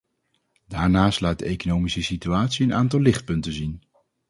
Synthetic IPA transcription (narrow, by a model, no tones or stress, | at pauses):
daːɹnaːstlaːd̚dəejkonowmisəsityaːtsiənʔaːntɑlˠɪχt̚pɵntənzin